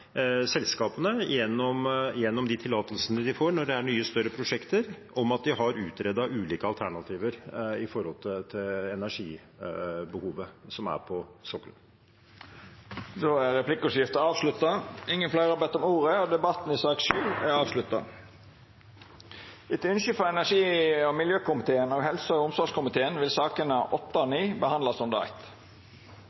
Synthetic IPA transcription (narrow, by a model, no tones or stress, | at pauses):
sɛlskɑːpənəjɛnːɔmjɛnːɔmd̪ɪt̪ʰɪlːɑːt̪əlsənəd̪ɪfoːɳɔɖɛæɳyːəst̪œɾːəpʰɾʊʂɛkt̪əɾʔɔmɑt̪̚d̪ɪɦɑɾʉːt̪ɾɛd̪ɑʉːliːkəɑlt̪ʰæɳɑt̪ʰiːʋəɾɪfɔɾhɔlt̪ʰɪt̪ʰɪlɛnæʂiː | bəhuːʋəsɔmæ̰ɾpʰɔsɔkːlə̰n | d̪oːæɾɾɛplɪkːʊsjɪft̪əɑːʋslʉt̪ːɑɪŋːənflæɪʁɑɾbɛt̪ːɔmuːɾəoːd̪ɛbɑt̪n̩ɪsɑːkʃʉːæɑːʋslʉt̪ːɑ̰ | ɪt̪ʉnʃʏfɔɛnæʂiːɔmɪljøːkʊmɪt̪ʰeːənoːɡɦɛlsɔɔʊmsɔʂkʊmɪt̪ʰeːənʋɪlsɑːkənəʔɔt̪ːɑɔniːbəhɑnd̪lɑsɔmd̪əɑ̰ɪt̪